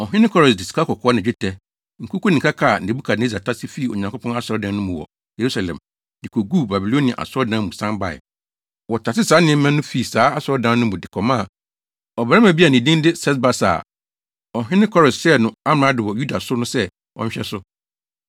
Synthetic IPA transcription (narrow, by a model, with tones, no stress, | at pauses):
ɔ˨ɦɪ̃˦nɪ̃˦kʰɔ˦ɾɔ˨sdɪ˨si̥˨kʰa˦kʰɔ˨kʰɔː˦nɪ̃˨d͡ʑᶣɪ˦tʰɛ˦ | ŋ̩˨ku˦ku˦nɪ̃˨kʰa˦kʰa˦˨n̩˨de˨bu˦kʰa˨n˨e˦˨za˨tʰa˦sɪ˦fi˦˨o̰˨ɲã˨ŋkʊ˦pʰɔ̃˦n˦a˦sɔ˨ɾɔ˦dã˦nʊ̃˦mʊ̃˨wɔ̰˨ | je˨ɾu˦sa˨lɛ̰̃˨m | dɪ˨kʰo˨ɡu˦˨ba˨bi˨lo˦nĩ˨a̰˨ʔa̰˨sɔ˦dã˦mũ˨sã˦mba˨ɪ̰˨ | wɔ˨tʰa˨sɪ˦saː˨˦nɪ̃˦ɛ̃˦mɛ̃˦nʊ̃˦fi˨˦˨saː˨˦a˦sɔ˨˦ɔ˦dã˦n˦nʊ̃˦mʊ̃˨dɪ˨kʰɔ˨mã˦˨ | ɔ˨bɛ˨ɾa˦mã˨bi˦a˨nɪ̃˨dĩ˦n˦dɪ˦sɛ˦s̬ba˦sa̰˨ | ɔ˨ɦɪ̃˦nɪ̃˦kʰɔ˦ɾɔ˨ssɛ˦nʊ̃˨a˦m˨ã˨˦dɪ˨wɔ˨ju˦da˨sʊ˦nʊ̃˦sɛ˦ | ɔ̰˦ɲ̩̃˦ɕᶣɛ˦sʊ˦